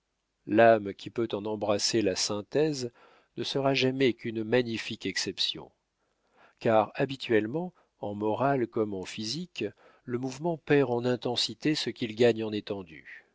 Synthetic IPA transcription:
lamkʲʰipøt̪ɑ̃nɑ̃bʁaselasɛ̃t̪ɛz | nəsəʁaʒamɛkynmaɲifikɛksɛpsjɔ̰̃ | kaʁabit̪ɥɛlmɑ̃ | ɑ̃mɔʁalkɔmɑ̃fizik | ləmuvmɑ̃pɛʁɑ̃nɛ̃t̪ɑ̃sit̪esəkʲilɡaɲɑ̃net̪ɑ̃d̪y̰

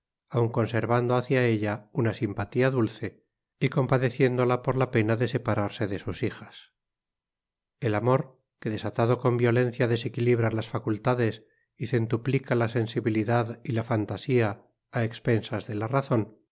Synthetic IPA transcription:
awŋko̞nse̞ɾβand̪oaθjae̞ʎaunasimpat̪iaðulθe̞ | iko̞mpaðe̞θje̞nd̪o̞lapo̞ɾlape̞naðe̞se̞paɾaɾse̞ðe̞susixḁs | e̞lamo̞ɾ | ke̞ðe̞sat̪aðo̞ko̞mbjo̞lẽ̞n̟θjaðe̞se̞kiliβ̞ɾalasfakult̪aðe̞s | ise̞nt̪uplikalase̞nsiβiliðaðilafant̪asiaː | ekspe̞nsazðe̞laraθo̞n

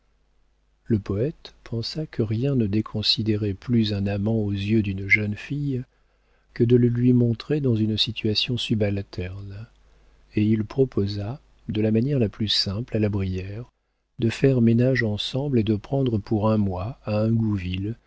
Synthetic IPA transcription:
ləpɔɛt̪pʰɑ̃sakʰəʁjɛ̃nəd̪ekʰɔ̃sid̪eʁɛplyzɛ̃namɑ̃ozjød̪ynʒœnfij | kəd̪ələlɥimɔ̃t̪χed̪ɑ̃zynsit̪ʰɥasjɔ̃sybalt̪ʰɛʁn | eilpχɔpʰoza | d̪əlamanjɛʁlaplysɛ̃plalabʁijɛʁ | d̪əfɛʁmenaʒɑ̃sɑ̃bled̪əpχɑ̃d̪ʁəpuʁɛ̃mwaaɛ̃ɡuvil

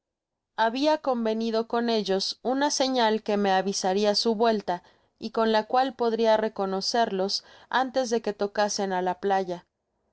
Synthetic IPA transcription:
aβiako̞mbe̞nið̞o̞ko̞ne̞ʝo̞sunase̞ɲalke̞me̞aβisaɾiasuβwe̞lt̪a | iko̞nlakwalpo̞ðɾiare̞ko̞no̞se̞ɾlo̞sa̰nt̪e̞zðe̞ke̞t̪o̞kase̞nalaplaʝa

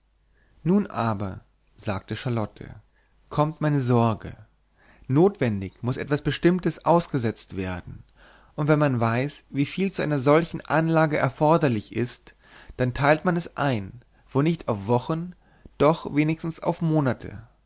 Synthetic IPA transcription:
nuːnʔaːbɐ̰ | zaːk̚təʃalɔtʰə̰ | kʰɔmtmaɪnəzɔɐɡə̰ | noːtv̥ɛndɪçmʊsʔɛ̰tv̥asb̥əʃtɪmtəsʔaʊsɡ̥əzɛt͡stv̥eːɐdn̩ | ʔʊntv̥ɛnmanvaɪsviːfiːlt͡suʔa̰ɪnɐzɔlçn̩ʔanlaːɡəʔɛɐfɔɐdɐlɪçʔɪst | d̥antʰaɪltmanɛsʔaɪn | v̥oːnɪçtaʊfv̥ɔχn | d̥ɔχveːnɪçstn̩sa̰ʊfmoːnatʰə̰

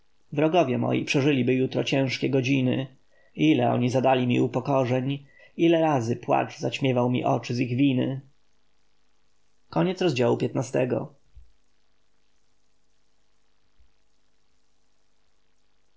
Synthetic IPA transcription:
vɾɔɡɔvʲjɛmɔ̰jḭpʂɛʐɘlʲibɘjut̪ɾɔt͡ɕɛ̃w̃ʂkʲɛɡɔd͡ʑinɘ̰ | ilɛɔ̰ɲizad̪alʲimʲḭupɔkɔʐɛɲ | ilɛɾazɘpwa̰t͡ʂzaɕmʲjɛvawmʲḭʔɔt͡ʂɘziɣvʲinɘ̰ | kɔɲɛt̪sɾɔzd͡ʑawupʲjɛt̪nast̪ɛɡɔ̰

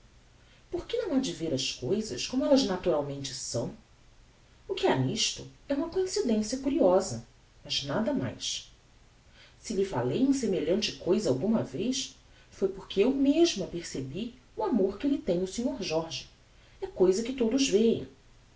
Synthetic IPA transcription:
poɾkɪnɐ̃w̃ad͡ʒɪveɾɐskojzɐ̰ʃkõmʊɛlɐznat̪uɾawmẽnt͡ʃɪsɐ̃w̃ | ʊkɪaniʃt̪ʊɛũmɐkõĩsid̪ẽsiɐkuɾiɔzɐ | mɐznad̪ɐma̰js | sɪʎɪfa̰lejũsemeʎɐ̃nt͡ʃɪkojzɐawɡũmɐvejʃ | fojpoɾkɪewmeʒmʊɐpeɾsebi | uamoɾkɪlɪt̪ẽj̃ʊsĩɲoɾʒɔɾʒɪ | ɛkojzɐkɪt̪od̪ʊzvejɐ̰̃

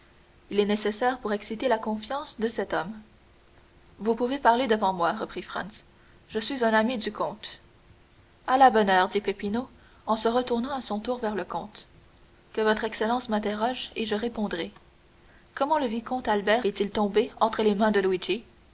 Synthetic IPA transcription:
ilɛnesesɛːʁpuʁɛksit̪elakɔ̃fjɑ̃sd̪əsɛt̪ɔm | vupuvepaʁled̪əvɑ̃mwaʁəpχifʁɑ̰̃ns | ʒəsɥizɛ̃namid̪ykʰɔ̃t̪ | alabɔnœːʁd̪ipepino | ɑ̃səʁət̪uʁnɑ̃asɔ̃t̪uːʁvɛʁləkɔ̰̃t̪ | kəvɔt̪χɛkselɑ̃smɛ̃t̪eʁɔʒeʒəʁepɔ̃d̪ʁɛ | kɔmɑ̃ləvikɔ̃t̪albɛːʁɛt̪ilt̪ɔ̃beɑ̃t̪χəlemɛ̃d̪əluid͡ʒi

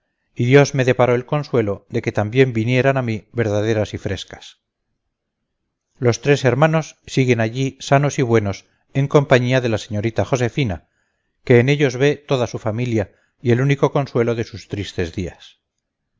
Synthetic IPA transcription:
iðjo̞zme̞ðe̞paɾo̞elko̞nswe̞lo̞ðe̞ke̞t̪ambje̞mbinje̞ɾanamiβe̞ɾðaðe̞ɾasifɾe̞skḁs | lo̞st̪ɾe̞se̞ɾmãno̞sːiɣe̞naʎisano̞siβwe̞no̞s | e̞ŋko̞mpaɲiaðe̞lase̞ɲo̞ɾit̪aχo̞se̞fina | ke̞ːne̞ʎo̞zβe̞t̪o̞ðasufamilja | ie̞luniko̞ko̞nswe̞lo̞ðe̞sust̪ɾist̪e̞zðia̰s

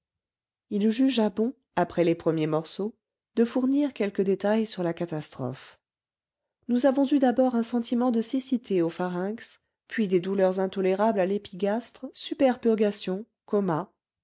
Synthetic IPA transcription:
ilʒyʒabɔ̃ | apχɛlepχəmjemɔʁso | d̪əfuʁniʁkʲɛlkəd̪et̪ajsyʁlakat̪ast̪χɔ̰f | nuzavɔ̃zyd̪abɔʁɛ̃sɑ̃t̪imɑ̃d̪əsisit̪ʰeofaʁɛ̃ks | pɥid̪ed̪ulœʁzɛ̃t̪ɔleʁablalepiɡʲast̪χsypɛʁpyʁɡasjɔ̃ | kɔma

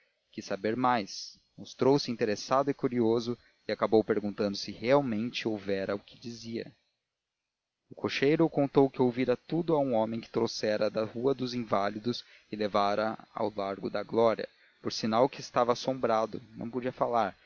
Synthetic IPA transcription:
kɪsabeɾmajs | most̪ɾowsɪĩnt̪eɾesad̪ʊɪkuɾiozʊ | ɪakabowpeɾɡũt̪ɐ̃nd̪ʊsɪheawmẽnt͡ʃɪowvɛɾɐʊkɪd͡ʒiziɐ̰ | ʊkʰoʃejɾʊkõnt̪owkɪowviɾɐt̪ud̪ʊɐũõmẽj̃kɪ̥t̪ɾowsɛɾɐd̪ɐhuɐd̪ʊzĩvalid̪ʊs | ɪlevaɾɐa̰wlaɾɡʊd̪ɐɡlɔɾiɐ̰ | poɾsinawkɪːst̪avasõmbɾad̪ʊnɐ̰̃w̃pod͡ʒiɐfalaɾ

